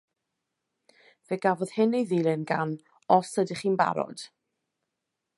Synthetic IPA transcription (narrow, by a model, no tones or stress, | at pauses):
veːɡavɔð̥hɪnejðiːlˠɪnɡan | ɔsədɪχiːnba̰ɾɔ̰d̥